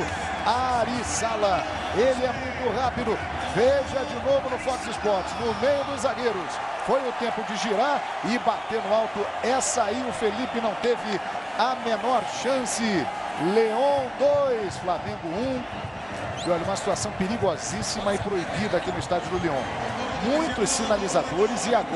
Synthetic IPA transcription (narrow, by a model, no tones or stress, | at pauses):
aɾisalɐ | elɪɛmũj̃t̪ʊhapid̪ʊ | veʒɐd͡ʒɪnovʊnʊfɔkzɪspɔɾt͡ʃɪznʊmejʊd̪ʊzaɡeɾʊs | fojʊt̪ẽpʊd͡ʒɪʒiɾaɾ | ɪbat̪eɾnʊawt̪ʊ | ɛsɐaiʊfelipɪnɐ̃w̃t̪evɪ | ɐmẽnɔɾʃɐ̃sɪ | leõd̪ojsflamẽŋɡʊũ | ɪɔʎɐũmɐsi̥t̪uasɐ̃w̃peɾiɡɔzisimɐɪpɾoibid̪ɐakinʊist̪ad͡ʒʊd̪ʊleõmũj̃t̪ʊsːinalizad̪oɾɪzɪaɡ